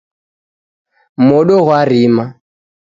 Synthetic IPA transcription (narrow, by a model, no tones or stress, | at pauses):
mɔɗɔɣwariːma